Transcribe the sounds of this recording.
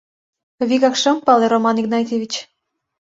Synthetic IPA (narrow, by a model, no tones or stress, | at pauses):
βikɑkʃɤ̆mpɑleɾomɑniɡnɑt̪ʲevʲit͡ɕ